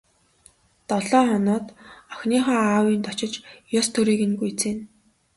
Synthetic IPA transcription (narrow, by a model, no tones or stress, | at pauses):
t̪ɔɮɔːχɔnʊːt̪ɔxniːχɔːaːwiːnt̪ɔt͡ɕɪ̆t͡ɕjɔst̪ʰɵɾiːɣɘ̆nɡujt͡seːn